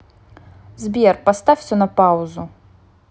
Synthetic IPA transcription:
zbʲerpast̪afʲsʲɔnɐpauzu

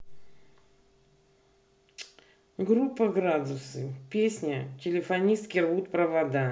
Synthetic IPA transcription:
ɡɾupːəɡɾad̪ʊsɨpʲesʲnʲətʲɪlʲɪfɐnʲist̪kʲɪrvut̪pɾəvɐd̪a

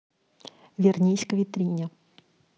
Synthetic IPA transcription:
vʲɛrnʲejsʲkvʲit̪ɾʲinʲɛ

